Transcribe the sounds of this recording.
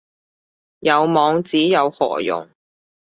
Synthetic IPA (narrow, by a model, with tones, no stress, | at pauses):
jɐ˨˧wmɔː˨˧ŋt͡siː˨˥jɐ˨˧whɔ̰ː˨˩jʊ̰˨˩ŋ